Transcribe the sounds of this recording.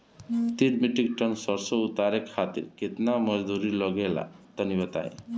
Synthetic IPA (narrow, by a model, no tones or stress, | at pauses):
t̪iɾmiʈikʈənsʌɾsʌut̪aɾekʰːat̪ḭɾket̪namʌd͡ʒd̪uɾiləɡela̰t̪ʌnibət̪a̰ḛ